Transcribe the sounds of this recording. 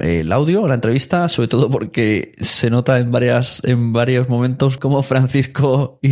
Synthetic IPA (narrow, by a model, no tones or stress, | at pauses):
ḛlawðjolaent̪ɾe̞βist̪aso̞βɾe̞t̪o̞ðo̞po̞ɾke̞se̞no̞t̪aembaɾjase̞mbaɾjo̞zmomẽnt̪o̞sko̞mo̞fɾan̟θiskoi